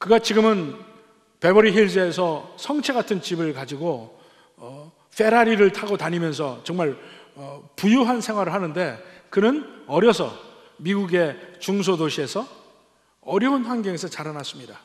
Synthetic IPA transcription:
kɯɡat͡ɕiɡɯmɯn | pe̞bʌɾiɦiɭd͡ʑeːsʰʌsʰʌŋt͡ɕʰe̞ɡatʰɯnt͡ɕibɯɭkad͡ʑiɡo | ʌ | fʰe̞ɾaɾiɾɯɭtʰaɡotaɲimjʌns̬ʰʌt͡ɕʌŋmaɭʌpujuɦansʰe̞ŋɦwaɾɯɭhanɯnde̞kɯnɯnʌɾjʌsʰʌ̰ | miɡuɡe̞t͡ɕuŋs̬ʰodoɕʰie̞sʰʌ | ʌɾjʌunɸwanɡjʌŋe̞sʰʌt͡ɕaɾanas͈ɯmɲida

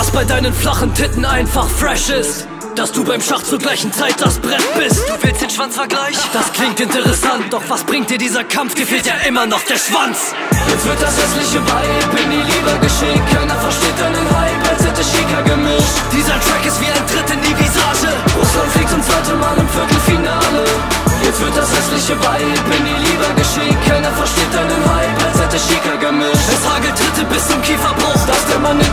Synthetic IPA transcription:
asb̥aɪdaɪnənflaχn̩tʰɪtn̩aɪnfaχfʁɛʃɪst | d̥asd̥uːbaɪmʃaχt͡suɐɡlaɪçn̩t͡saɪt̚d̥asb̥ʁɛtb̥ɪstd̥uːvɪlstd̥eːnʃv̥ant͡sfɛɐɡlaɪçd̥askʰl̥ɪŋktɪntəʁɛsantd̥ɔχv̥asb̥ʁɪŋkt̚d̥iːɐdiːzɐkʰamfd̥iːɐfɛːlt̚diːɐʔɪmɐnɔχd̥eːɐʃv̥ant͡s | jɛsv̥ɪɐt̚d̥asɛstlɪçəvaɪɪçb̥ɪnːiːliːbɐɡəʃekʰɛndafɛɐʃteːt̚danənhaɪbɛtɪtəʃɪːkɐɡəmuːt | d̥iːzɐtʁ̥ɛkɪstv̥iːaɪndʁɪtɪndiːvizaːʒəʊsɔfɪk̚tɪmt͡sv̥aɪtəmaːlɪmfɪɐtl̩finaːlə | jɛt͡stv̥ɪɐt̚d̥ashɛstlɪçəbaɪɪçb̥ɪnːiːliːbɐɡəʃɪkʰaɪnɐfɛɐʃteːt̚d̥anuːnhaɪpalshɛtəʃiːkɐɡəmɪʃtɛshaːɡl̩dʁɪtəbɪst͡sʊmkʰiːfɐbʁʊd̥astɪmɐnɪ

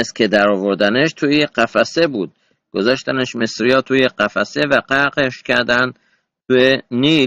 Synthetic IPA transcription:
est̪kʲʰed̪æɾɒvoɾd̪æneʃt̪ʰuːjeqæfæsebuːd̪̥̚ | ɡ̥ozɒʃt̪æneʃmesɾijɒːt̪ʰujeqæfæsevæɢæɾqeʃcʲʰæɾd̪ænd̪ | t̪ʰueniː

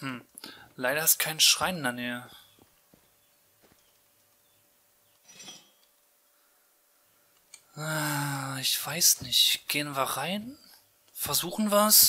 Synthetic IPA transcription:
mm̩ | laɪɾɐɪstkʰaɪnʃʁ̥aɪnɪndɐneːə | ʔaɪçv̥aɪsnɪçtɡ̥eːənviːɐʁaɪn | fɛɐzuːxn̩vas

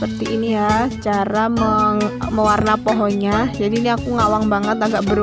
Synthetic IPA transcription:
pərt̪iinijat͡ʃaɾaməŋməwarnapɔɦɔɲad͡ʒadiːniakuŋawaŋbaŋət̪aɡaʔbəɾ

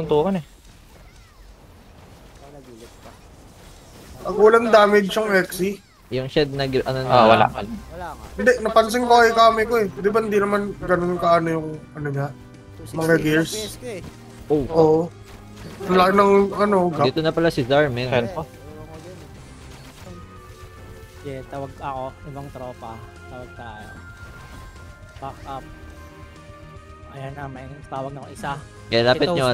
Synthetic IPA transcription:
ʊnt̪uːkɐnɛ | pɐɡuːlɐnd̪aːmɪd͡ʒʊŋʔɛksi | jʊŋʃɛd̪̚nɐɡʔɐnonwɐ̰la̰ | hɪnd̪ɛʔnɐpɐns̬ɪŋbɐkɐjkaːmɪkoɛd̪ɪbahɪnd̪inɐmanɡɐnonkɐːnojʊŋɐnoɲa | mɐŋaɡɪɹs | ʔoʔoːʔo | nlaanɐŋʔɐnoɡaɪt̪onɐpɐlasɪdaɹmɪnɐnko | jɛt̪aːwɐɡ̚ɐko̞ɪbɐŋt̪ɾoːpɐt̪aːwɐɡ̚kao̰ | baːkɐ | ʔɐjanːɐmɐinɐt̪aːwɐɡ̚nɐkoʔɪsa | kɐlaːpɪt̪̚ɲo

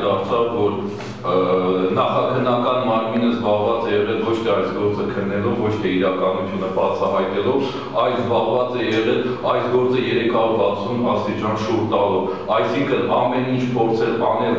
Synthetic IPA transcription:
d̪ɑɾt͡sʰɑvvɔɾ | nɑχɑkʰənːɑkɑnmɑɾminəzbɑʁvɑt͡sɛjɛʁɛlvɔt͡ʃʰt̪ʰɛɑjsɡɔɾt͡səkʰənːɛluvvɔt͡ʃʰt̪ʰɛiɾɑkɑnut͡sʰjunəbɑt͡sʰɑɦɑjt̪ɛlɔv | ɑjlzbɑʁvɑt͡sɛjɛʁɛlɑjsɡɔɾt͡səjɛɾɛkʰɑɾuɾbɑt͡sʰumɑst̪it͡ʃɑnʃuɾt̪ɑlɔv | ɑjsiŋkʰənɑmɛnint͡ʃʰpʰɔɾt͡sʰɛlpɑnɛl

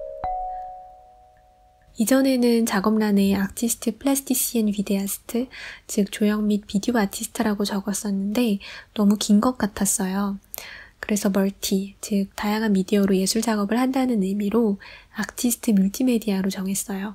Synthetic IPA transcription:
id͡ʑʌne̞nɯnt͡ɕaɡʌmnane̞ak̚tʰisʰɯ̥tʰɯpʰɯɭasʰɯ̥tʰiɕ͈ienpideasʰɯ̥tʰɯt͡ɕɯk̚t͡ɕojʌŋmit̚pidioatʰisʰɯ̥tʰɯɾaɡot͡ɕʌɡʌs͈ʌnːɯnde̞nʌmukinɡʌk̚k͈atʰas͈ʌjo | kɯɾe̞sʰʌmʌɭtʰit͡ɕɯk̚t͈ajaŋɦanmidiʌɾoje̞sʰuɭd͡ʑaɡʌbɯɭhandanɯnɯɭmiɾoak̚tʰisʰɯ̥tʰɯmuɭtʰime̞diaɾot͡ɕʌŋɦe̞s͈ʌjo

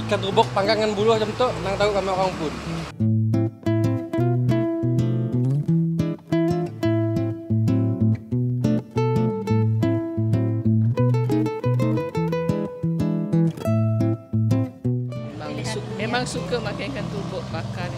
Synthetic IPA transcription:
kant̪ubɔk̚paŋɡaŋanbulɔhd͡ʒɔmt̪ɔʔnaŋt̪auʔkamaokaŋpʊn | maŋmemaŋsukəmakajkant̪ubɔk̚makan

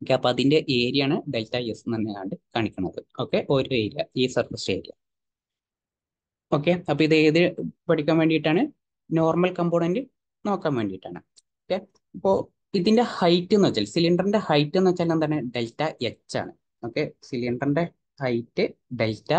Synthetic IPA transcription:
okːeɐpːoːɐðinde̞ʔe̞ːɾijaːɳɨɖe̞ltːajesɨɐnːejaːɳɖɨkaːɳikʲːuɳɐɐ̰ðɨo̞ːkːe̞ʔo̞ɾoe̞ːɾija̰iːsɐrkɐsʈe̞̰ːɾija̰ | o̞ːk̬ːeɐpːoiðɨːðipɐʈʰikʲːaːmʋe̞ːɳɖijiʈːaːɳɨ | no̞ːrmɐlkɐmboːɳendɨ | no̞ːkːaːmʋeːɳɖijiʈːa̰ːɳɨ | okːe | ipːoː | iðinde̞hɐjtːenuʋɐt͡ɕːaːlsiliɳɖɐrnɳde̞hɐjtːɨnːʋɐt͡ɕːaːlːɐnt̪ɐnːeɖe̞ltːɐjet͡ɕːa̰ːɳɨ | o̞ːkːe̞siliɳɖɐrnɖe̞ | hɐjtːɨɖeltːɐ

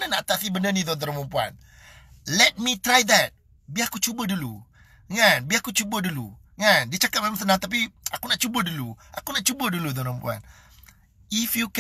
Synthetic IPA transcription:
nanaʔat̪asibənənid̪ɔnd̪ɔɾampumpua̰n | lɛt̚mit̪ɾajd̪ɛt̚ | biakut͡ʃubədulu | ŋanbiakut͡ʃubədulu | ŋandiət͡ʃakap̚mamamsənaŋt̪ap̬iakunaʔt͡ʃubəduluakunaʔt͡ʃubədulud̪ɔɾəmpua̰n | ifjuk

